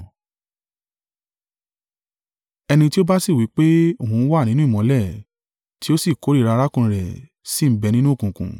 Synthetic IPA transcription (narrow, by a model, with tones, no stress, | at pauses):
ɛ˧nĩ˧ti˦o˦ba˦si˦˨wi˨˦k͡pe˦o˦˨hũ˧n̩˦wa˦˨nĩ˦nũ˦i˦˨mɔ̃˨˦lɛ˦˨ | ti˦o˦si˦˨ko˨˦ɾi˦˨ɾa˧ɾa˦kũ˧˨ɾɛ˨ | si˦˨m̩˦bɛ˧nĩ˦nũ˦o˦˨kũ˨kṵ̃˨